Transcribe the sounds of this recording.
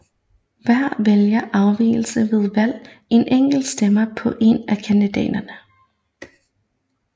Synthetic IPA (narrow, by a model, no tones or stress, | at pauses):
ʋæɐ̰ʋeljɐʔɑ̈ʊʋḭːl̩səʋe̝ð̞ˠʋæl̰ | e̝nʔeŋ̰ɡ̥l̩̥sd̥emɐpʰɒ̽ʔe̝nækʰænd̥id̥ɛ̰ːd̥ɐnə